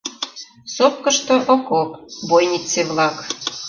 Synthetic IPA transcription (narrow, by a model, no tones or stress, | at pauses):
sop̚kə̆ʃt̪oʔokopbojnit͡seβlɑk